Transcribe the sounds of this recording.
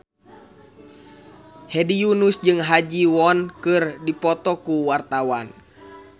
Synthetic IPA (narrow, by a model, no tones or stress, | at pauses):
hɛdijunusd͡ʒɨŋɦad͡ʒiwɔnkɨrdipɔt̪ɔkuwart̪awan